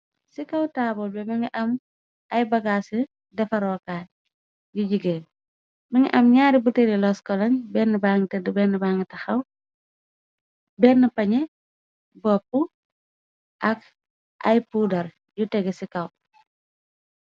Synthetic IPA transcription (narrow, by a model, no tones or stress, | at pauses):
sikɐwtaːbɔlbɛmɐŋɡiʔɐm | ɐjbɐɡaːsi | dɛfɐɾɔːkaːt | juɟiɡɛː | mɐŋḭʔɐmɲaːɾibutɛɾilɔskɔlɐnbɛnːbaŋɡitɐdbɛnːbaŋɡitɐxɐw | bɛnːəpɐɲɛ | bɔpːu | ʔɐk | ʔɐjpuːdɐɾ | jutɛɡɛsikɐw